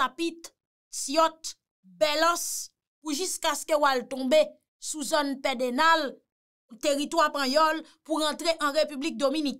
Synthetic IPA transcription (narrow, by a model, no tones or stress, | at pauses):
apit̪ | sjɔt̪ | bɛlɑ̃s | puʒyskaskəwalt̪ɔ̃be | suzɔnpɛd̪enal | teʁit̪wapãjɔl | puʁɑ̃t̪ʁeʔɑ̃ʁepyblik̚d̪ominik